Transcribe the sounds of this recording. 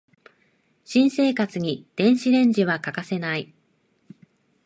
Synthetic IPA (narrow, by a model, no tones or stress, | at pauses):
ɕĩɰ̃se̞ːkat͡sɨɲ̟id̪̥ẽ̞ɰ̃ɕiɾẽ̞ɲd͡ʑiβakakase̞nai